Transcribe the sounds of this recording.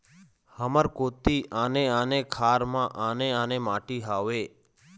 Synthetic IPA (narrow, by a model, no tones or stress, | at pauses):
həməɾkoːt̪ianeanekʰaːɾmãʔaneanemaʈiɦaʋeː